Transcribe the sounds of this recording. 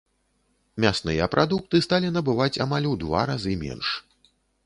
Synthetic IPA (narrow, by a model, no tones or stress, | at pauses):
mʲasnɨjɐpɾʔad̪uk̚t̪ɨst̪alʲinɐbɨvat͡sʲamalʲwd̪va̰ɾazɨmʲɛ̰nʂ